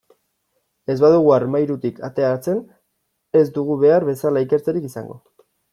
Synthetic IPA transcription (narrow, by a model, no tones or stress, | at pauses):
e̞zβaðuɣuarmajɾut̪ikat̪e̞aɾat͡se̞n | e̞zd̪uɣ̞uβe̞aɾβe̞salaike̞ɾt͡seɾikisa̰ŋɡo̞̰